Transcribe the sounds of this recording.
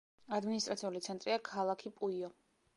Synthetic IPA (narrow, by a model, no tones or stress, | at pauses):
ad̪minist̪ʼɾat̪sʰiulit̪sʰɛnt̪ʼɾiakʰalˠakʰipʼuiɔ